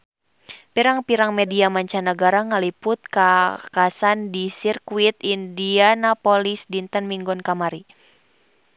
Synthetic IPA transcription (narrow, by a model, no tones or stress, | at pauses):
piɾaŋpiɾaŋmɛdiamaɲt͡ʃanaɡaɾaŋalipʊt̪̚kakasandisirkuit̪indianapolisdint̪ənmiŋɡɔnkamaɾi